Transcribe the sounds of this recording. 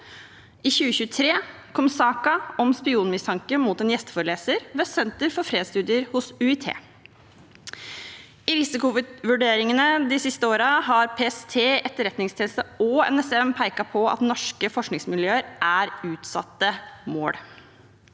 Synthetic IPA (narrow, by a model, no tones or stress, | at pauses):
ʔiːçʉːəçʉːət̪ʰɾeː | kʰɔmsɑːkɑɔmspɪuːnmɪst̪ʰɑŋkəmuːt̪ɛnjɛst̪ə̥fɔɾəleːsəɾʋeːsɛnt̪əɾfɔɾfɾeːd̪st̪ʉːd̪ɪəɾhʊsʉɪt̪ʰḛː | ɪɾɪsɪkʊʋʋʉɖeːɾɪŋənəd̪ɪsɪst̪əoːɾəɦɑɾpʰeːɛst̪ʰeːɛt̪ːəɾɛt̪nɪŋst̪ʰiːnlst̪əɔɛ̰nɛsɛmpʰæɪkɑpʰɔɑ̰t̪nɔʂkəfɔʂknɪŋsmɪljøːəɾʔæɾʉːt̪sɑ̰t̪ːəmo̰ːɽ